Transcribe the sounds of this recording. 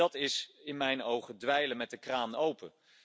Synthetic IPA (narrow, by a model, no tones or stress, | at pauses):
ɑtɪsɪnmɛjnowχədʋɛjləmɛt̚dəkraːnowpə̰